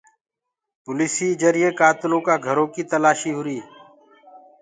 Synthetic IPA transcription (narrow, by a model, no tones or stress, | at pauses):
pʊliːsiːd͡ʒəɾɪeːkaːt̪ɪlõːkaːɡʱəɾõːkiːt̪əlaːʃiːɦʊɾiː